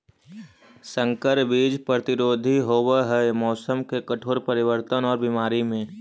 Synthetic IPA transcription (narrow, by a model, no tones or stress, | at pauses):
sə̃ŋkəɾbiːd͡ʒpɾət̪ɪɾoːd̪ʱiɦoːweɦɛmɔːsəmkekɐʈʰoːɾpəɾɪʋəɾt̪ənɔːɾbimaːɾimẽː